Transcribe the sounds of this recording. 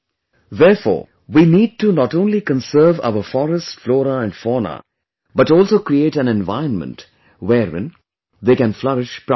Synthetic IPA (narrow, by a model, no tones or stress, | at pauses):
ðɛːɾfɔ̰ː | ʋiːniːɖ̚ʈunɔʈõːnlikə̃nsəːva̰ʊəfɔɾəsʈflɔːɾəæ̃ɳɖfɔːna̰ | bʌʈɔːlsoːkɾieːʈæ̃nɛ̃nʋa̰ɪə̃nmə̰̃nʈ | wɛːɾɪ̰̃n | d̪eːkæ̃nflʌɾɪʃp